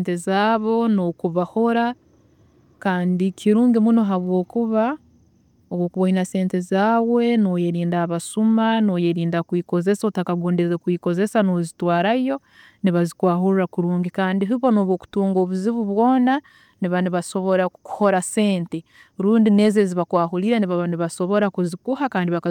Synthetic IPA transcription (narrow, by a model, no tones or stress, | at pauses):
ntezaːβo̞no̞kuβaho̞ɾa | kaːndikʰiɾuːŋɡimuno̞ɦaβwo̞ːkuβa | oβwoːkuβoinase̞ːnte̞zaːwe̞noːjeɾiːndaːβasumano̞ːjeɾiːndakwiːko̞ze̞sotakaɡoːndezekwiːko̞ze̞sano̞zitwaːɾajo̞ | niβazikwaːɦuɾurakuɾuːŋɡikaːndiɦuβonoβwoːku̥tuːŋɡo̞ːβuziβuβwo̞ːna | niβaniβaso̞βo̞ɾaku̥ho̞ɾase̞ːnte | ɾuːndine̞ːzeziβakwaːɦuliɾeniβaniβaso̞βo̞ɾakuzikuhakaːndiβaka